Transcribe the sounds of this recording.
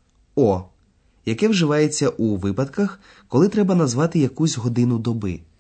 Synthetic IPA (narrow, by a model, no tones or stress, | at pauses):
ɔ | jɐkɛwʒɪʋɑjet͡sʲːɐʔuʋɪpɐd̪kɐx | kɔlˠɪt̪ɾɛbɐnɐzʋɑt̪ɪjɐkuzʲɦɔd̪ɪnʊd̪ɔbɪ